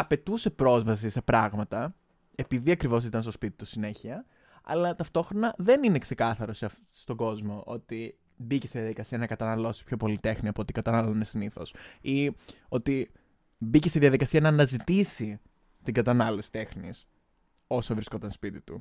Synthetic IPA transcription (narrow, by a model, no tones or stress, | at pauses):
ɐpe̞t̪use̞pɾo̞zvɐsise̞pɾɐɣmɐt̪ɐ | e̞piðiɐkɾivo̞s̬it̪ɐnst̪o̞spit̪i̥t̪usine̞çiɐ | ɐ̰lɐt̪ɐft̪o̞xɾo̞nɐðe̞nine̞kse̞kɐθɐɾo̞se | st̪o̞ɡo̞zmo̞ʔo̞̰t̪i | biceseðijɐðikɐsiɐnɐkɐt̪ɐnɐlo̞si̥pço̞po̞lit̪e̞xniɐpoot̪ikɐt̪ɐnɐlonesiniθo̞̰si | o̞t̪i | biceseðiɐðikɐsiɐnɐːnɐzit̪isi | t̪iŋɡɐt̪ɐnɐlo̞si̥t̪e̞xnis | o̞sovɾisko̞t̪ɐnspit̪it̪u